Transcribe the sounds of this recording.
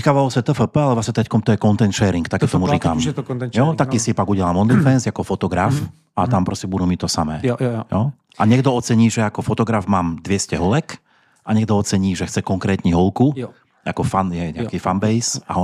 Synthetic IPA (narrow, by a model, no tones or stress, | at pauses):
kaʋalɔsɛt̪əfəpəalɛɔasɛt̪ɾɛckɔmt̪ɔjɛkɔnt̪ɛnʃɛːɾiŋkt̪akɛːt̪ɔmuɾiːkamt̪jɔt̪akiːsiɛpaɡuɟɛlamɔd̪lifɛnzakɔfɔt̪ɔɡɾaf | at̪ampɾɔscɛbud̪umit̪ɔsamɛːjɔ | ʔaɲɛɡd̪ɔɔt͡sɛɲiːʒɛakɔfɔt̪ɔɡɾavmaːmd̪ʋɪɛscɛɦɔlɛk | ʔaɲɛɡd̪ɔɔt͡sɛɲiːʒɛxt͡sɛkɔŋkɾɛːt̪ɲiɦɔlku | akɔfanjɛɲɛ̰aakifanbɛjsa̰ɦɔ